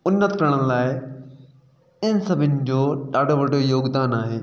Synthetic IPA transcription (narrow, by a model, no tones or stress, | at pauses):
ʊnːət̪kɐɾəɽ̃ə̃laːɪ | ɪnsɐbʱɪnɪ̆d͡ʑoːɗaːɖʱoʋɐɖʱojoːɡd̪aːnaːɦeː